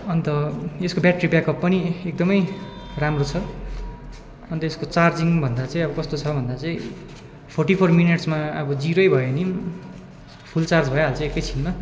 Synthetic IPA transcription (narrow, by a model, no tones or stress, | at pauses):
ʌnt̪ʌeskobjaʈribjakʌpːʌniek̚d̪ʌmʌjramrot͡sʰʌ | ʌnt̪ʌeskot͡sard͡ziŋbʱʌnd̪at͡saĩʌbʌkʌst̪ot͡sʰʌbʱʌnd̪at͡sʌĩ | pʰorʈipʰormineʈsmaʌbʌd͡ziɾʌjbʱʌenim | pʰult͡sard͡zbʱʌjeɦalt͡saĩekʌjt͡sʰinːʌ